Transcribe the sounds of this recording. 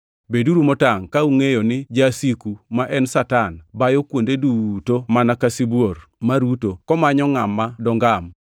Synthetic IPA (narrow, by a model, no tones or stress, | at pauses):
beduɾumɔtaŋkauŋejɔnɪd͡ʒasikumaʔɛnsatanbajɔkwondedutomanakasibwormaɾutokɔmaɲɔŋamːadɔŋɡam